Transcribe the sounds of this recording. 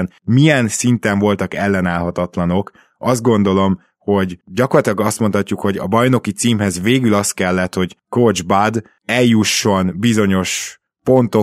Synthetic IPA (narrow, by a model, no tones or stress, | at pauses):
n | mijɛnsint̪ɛɱvo̞lt̪ɒkɛlːɛnaːlɦɒt̪ɒt̪lɒno̞k | ɒzd̪̚ɡo̞nd̪o̞lo̞m | ho̞ɟɟɒkorlːɒt̪ilɒɡɒst̪mo̞nt̪hɒcːukho̞ɟɒ̰bɒjno̞kit̪siːmɦɛzveːɡylɒst̪kɛlːɛt̪ho̞ɟkod͡ʒbad̪ | ɛljuʃːo̞nbizo̞ɲo̞ʃ | po̞nt̪o